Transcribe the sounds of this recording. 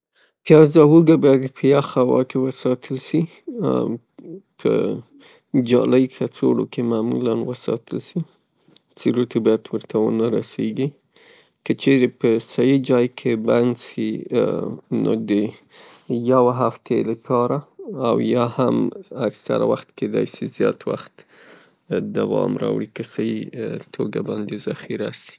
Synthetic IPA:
pjɑzɑwuɡabɑjad̪pʰəjɑxawɑ̰kewəsɑt̪ʰəlsi | pʰə̰ | d͡ʒɑ̰ləjkʰat͡soɽo̰kʰemamṵlanwəsɑ̰t̪ʰəlsi | t͡seɾot̪ʰabɑjad̪wəɾt̪ʰawə̰naɾaseɡi | kət͡ʃeɾepəsajid͡ʒɑjkʰeband̪si | no̰d̪ə | jawaɦaft̪ʰeləpʰɑɾaːwjɑhamaksa̰ɾa̰waxt̪ked̪ɑ̰jsizjɑt̪wa̰xt̪ | d̪awɑ̰mɾɑ̰wɽikəsajit̪ʰoɡabɑnd̪ezaxiɾasi̥

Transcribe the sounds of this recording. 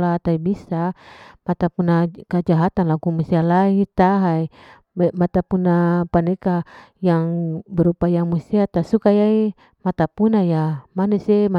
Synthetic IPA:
lat̪aibisamat̪apunakad͡ʒaɦat̪anlaɡumusialait̪aɦai | mat̪apunapanekajaŋbɛɾupajaŋmusiat̪asukajai | mat̪apunajamanesema

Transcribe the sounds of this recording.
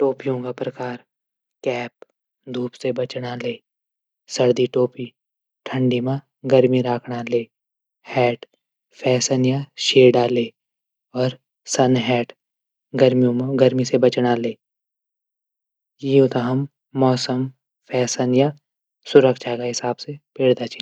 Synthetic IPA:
ʈoːpijõkapɾɐkaːɾ | kɛːp̚ | d̪ʱuːpsebɐt͡ʃɽaleː | sɐɽd̪iʈoːpi | ʈʰə̃ɳɖimã | ɡəɾmiɾaːkʰɽaleː | hɛːʈ | pʰɛːsənjaʃeːɖaːleː | ɔːɾ | sɐnɦɛːʈ | ɡɐɾmijõmɡɐɾmisebɐt͡ʃɽaleː | jiot̪aɦəmː | ɔːsəm | pʰɛːsənja | sʊɾəkʃakaɦɪsaːbsepeːɽd̪at͡ʃʰi

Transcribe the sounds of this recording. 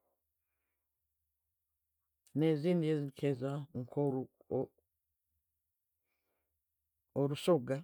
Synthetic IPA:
nezinijezikʰezaŋkʰoɾu | oɾusoɡa

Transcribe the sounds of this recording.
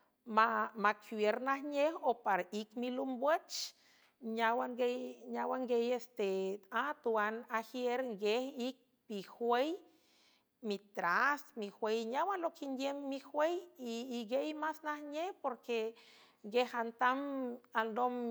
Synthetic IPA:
mamakwjeɾnahɲehopaɾikmilumbwet͡ʃ | ɲawaŋɡejɲawaŋɡejest̪eat̪uanahjeɾŋɡehik̚ | mihwej | mit̪ɾasmixwejɲawalokind̪jemːixwejiːɡejmasnahɲehpoɾke | ŋɡehant̪amandom

